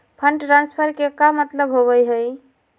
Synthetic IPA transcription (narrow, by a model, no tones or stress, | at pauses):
pʰəɳʈʈɾãnspʰəɾkekamːət̪ləbɦoβəjɦəj